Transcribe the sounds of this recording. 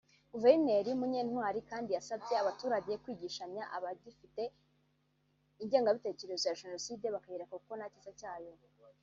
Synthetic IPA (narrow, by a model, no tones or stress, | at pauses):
ɡ̥uve̞ɾne̞ɾiumuɲe̞ːnhwaːɾikaːndijasabje̞aβatuːɾaɟejekwiːɟiːʃaɲɲaʔaβadifite̞ | iɲɟe̞ːŋɡaβite̞ːce̞ɾe̞zojaʒe̞no̞siːde̞βakajeɾekakuko̞nacizacaːjo̞